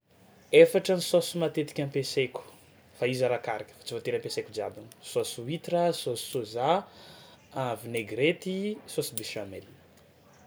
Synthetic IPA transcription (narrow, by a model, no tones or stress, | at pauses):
efaʈ͡ʂənisosumat̪et̪i̥kʲanpesekʲu̥ | faizaɾakaɾakʲə̥fḁt͡sivot̪eɾəmpesekud͡ʒiabanə̥sosuwit̪rəsosi̥soza | avineɡɾet̪isosibisameli